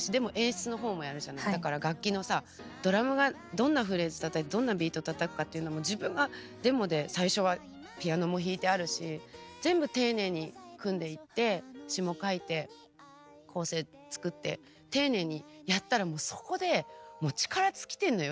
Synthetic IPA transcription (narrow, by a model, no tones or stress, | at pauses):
ɕid̪e̞mo̞ʔẽ̞ɰ̃ɕi̥t͡sɨno̞ɦo̞ːmo̞jaɾɯ̟ʑanaid̪akaɾaɡakʲːino̞sa | d̪̥o̞ɾamɯ̟ɡa | d̪õ̞nːaɸɯ̟ɾe̞zɨ̥t̪at̪ait̪̚ːd̪õ̞nːabʲiːt̪o̞t̪at̪akɯ̟̥kat̪ːeiɯ̟nomo̞d͡ʑibɯ̟̃ŋɡa | d̪̥e̞mo̞d̪e̞saiɕo̞βa | pʲijano̞mo̞çiːt̪e̞aɾɯ̟ɕizẽ̞mbɯ̟t̪e̞ːne̞ːɲ̟ikɯ̟̃nd̪e̞it̪ːe̞ɕimo̞kait̪e̞ | kʰo̞ːse̞ː | t͡sɨ̥kɯ̟t̪ːe̞̰ | t̪e̞ːne̞ːɲ̟ijat̪ːaɾamo̞ːso̞̥ko̞d̪e̞mo̞t͡ɕi̥kaɾat͡sɨ̥kʲi̥t̪ẽ̞nːo̞jo